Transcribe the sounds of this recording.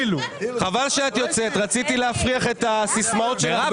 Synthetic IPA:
luχavalʃeat̪jot͡set̪ʁat͡sit̪ileafʁiaχe̞t̪asismaotʃela

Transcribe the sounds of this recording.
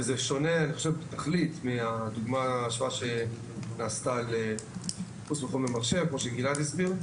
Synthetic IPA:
ezeʃo̞ne̞aniχoʃevbt̪aχlit̪miad̪uɡmaʃvaʃe | naːst̪ale | χusmeχolmemaʁʃe̞vkmo̞ʃeɡilat̪isbiʁ

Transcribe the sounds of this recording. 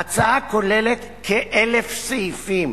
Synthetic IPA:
at͡saakolelet̪ | kʰeʔelefseifim

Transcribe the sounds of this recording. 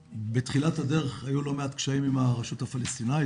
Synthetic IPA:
betχilathade̞ʁeχajulo̞meat̪kʃaimimaʁaʃuthafalest̪inaj

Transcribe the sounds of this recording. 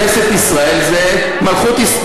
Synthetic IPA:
eset̪isʁaelze | malχut̪is

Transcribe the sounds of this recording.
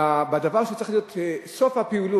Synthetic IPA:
abad̪avaʁʃet͡saʁe̥χlijo̞t̪sofhapiulu

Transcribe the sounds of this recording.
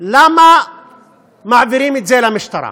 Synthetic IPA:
lama | maʕvɪɾiːmɪzeːlamɪʃt̪ɑɾˤɑ̰

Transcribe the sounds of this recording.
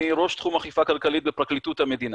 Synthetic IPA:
iʁo̞ʃt̪χumaχifakalkalit̪̚bepʁaklit̪ut̪hame̞d̪in

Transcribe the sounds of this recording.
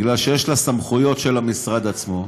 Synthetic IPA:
ɡlalʃejeʃlasamχujo̞tʃe̞lamisʁad̪at͡smo̞

